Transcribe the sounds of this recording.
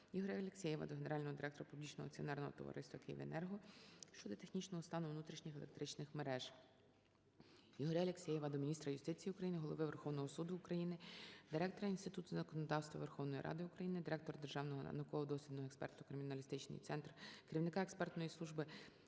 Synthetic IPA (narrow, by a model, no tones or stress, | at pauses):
jiɦɔɾʲaɐlʲeksʲɛjɛʋɐ̰d̪ɔɦeneɾɑlʲnɔɦɔd̪ɪɾɛkt̪ɔɾɐpublʲit͡ʃnɔɦɔɐk̚t͡sʲiɔ̰nɛrnɔɦɔ̰t̪ɔ̰ʋɐ̰ɾʔɪ̰st̪ʋɐkɪjḭʋḛnɛrɦɔʃt͡ʃɔd̪ɔt̪exnʲit͡ʃnɔɦɔst̪ɑnʊʋnut̪ɾʲiʃnʲɪxelˠḛk̚t̪ɾɪt͡ʃnɪxmeɾɛʒ | jiɦɔɾʲaɐlʲeksʲɛjɛʋɐd̪ɔmʲinʲist̪ɾɐjʊst̪ɪt͡sʲijiʊkɾɐjinɪɦɔlˠɔʋɪʋerxɔwnɔɦɔsud̪ʊːkɾɐjinɪd̪ɪɾɛk̚t̪ɔɾɐinst̪ɪt̪ut̪ʊzɐkɔnɔd̪ɑwst̪ʋɐ̰ʋerxɔwnɔjḭɾʔɑ̰d̪ɪʊkɾɐjinɪd̪ɪɾɛk̚t̪ɔrd̪erʒɑwnɔɦɔ̰nɐkɔɔd̪ɔsʲlʲid̪nɔɦɔɛkspɛ̰rt̪ʊkɾɪmʲinɐlʲist̪ɪt͡ʃnɪ̰jt̪sɛnt̪rkeɾʲiwnɪkɑɛkspɛrt̪nɔjisˠuʒbɪ